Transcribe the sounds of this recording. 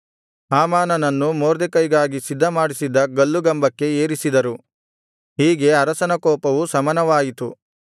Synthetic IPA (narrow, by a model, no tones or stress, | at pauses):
aːmaːnɐnɐnːumoːɾd̪ekɐjɡaːɡisid̪ʱːɐmaːɽisid̪ɐɡɐlːuɡɐmbɐkːe̞eːɾisid̪ɐɾu | ɦiːɡe̞ɐɾɐsɐnɐkɔːpɐʋusɐmɐnɐʋaːjit̪u